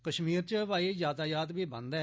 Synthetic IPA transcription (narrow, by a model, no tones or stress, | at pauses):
kəʃmiːɾt͡ʃəʋaːid͡ʒaːt̪aːjaːt̪ʋiːbə̰nd̪ɛː